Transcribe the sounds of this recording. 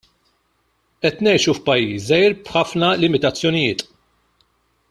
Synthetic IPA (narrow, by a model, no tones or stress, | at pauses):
ʔɛt̪nɛjʃufpɐjːiːsɛjɾb̥ħɐfnɐlɪmɪt̪ɐt͡sːjɔnɪjɪːt̪